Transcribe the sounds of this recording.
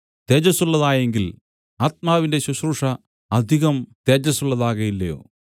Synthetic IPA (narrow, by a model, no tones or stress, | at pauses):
t̪eːd͡ʑɐsuɭːɐðaːjeŋɡil | aːt̪̚maːʋinde̞ɕɐɕruːʂɐ | ɐd̪ʱiɣɐmt̪eːd͡ʑɐsuɭːɐðaːɣɐjilːɐjo̰ː